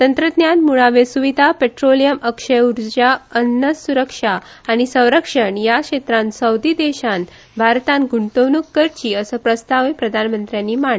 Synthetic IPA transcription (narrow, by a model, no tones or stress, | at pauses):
t̪ənt̪ɾəd̪njanmuɭaʋesuʋid̪ʱapeʈɾolijəməkʂəjuɾd͡ʑaənːəsuɾəkʂaː | ɽ̃isə̃w̃ɾəkʂəɳjakʂet̪ɾãnsəwd̪iːd̪eɕan | bʱaɾt̪ãnɡuɳt̪əwnukːəɾt͡ɕiːəsəpɾəst̪aʋepɾəd̪ʱanmənt̪ɾjãnːiːmaɳ